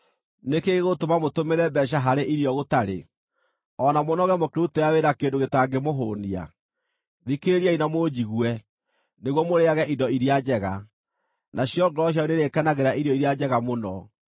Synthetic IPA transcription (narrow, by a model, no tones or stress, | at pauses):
nekeɣeɣotomamotomeɾɛbɛʃ̬aɦaɾeʔiɾjɔɣotaɾḛ | ɔnamonɔɣɛmokeɾutɛjaweɾakeːndoɣetaŋɡemoɦoːnia̰ | ðikeeɾiainamoːd͡ʑiɣwɛ | neɣwɔmoɾeaɣɛʔindɔiɾiad͡ʑɛɣa | nʔaɕjɔɡɾɔɕ̬jaoneɾekanaɣeɾaʔiɾjɔiɾiad͡ʑɛɣamonɔ